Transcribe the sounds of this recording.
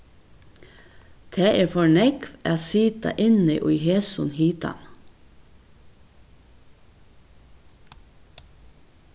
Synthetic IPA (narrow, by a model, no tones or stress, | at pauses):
t̪ʰæːʔeːfɔɳɛkʋæːsiːt̪ɑ̰ʔɪnḭːʔʊheːsʊnhiːt̪ɑ̰n